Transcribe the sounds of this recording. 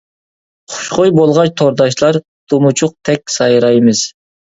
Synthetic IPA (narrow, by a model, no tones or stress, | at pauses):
χʰʊ̥ʃχojbolˠʁɑt͡ʃt̪ʰoɾd̪ɑʃlˠɑɾ | t̪ʰumut͡ʃʰʊq̚t̪ʰɛkʲsɑjɾɑjmɨz̥